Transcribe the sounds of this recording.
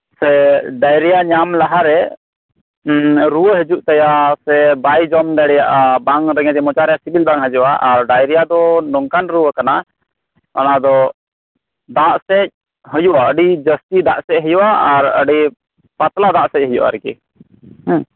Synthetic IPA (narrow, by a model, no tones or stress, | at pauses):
sɛɖajɾɛjaɲamlaɦaɾɛ | ɾuwəɦəd͡ʒuʔt̪ajasɛbajd͡ʒɔmd̪ajɾɛjaʔabaŋɾɛŋɛd͡ʒ̪ɛmɔt͡ʃaɾɛjasibilbaŋɦəd͡ʒuʔaʔaɾɖajɾɛjad̪ɔnɔŋkanɾuwəkana | a̰nad̪ɔ | d̪aʔsɛc̚ | ɦəjuʔaəɖid͡ʒəst̪id̪aʔsɛc̚ɦəjuʔaʔaɾə̰ɖi | pat̪lad̪aʔsɛc̚ɦəjṵʔa̰ɾɛkɛ̰ | h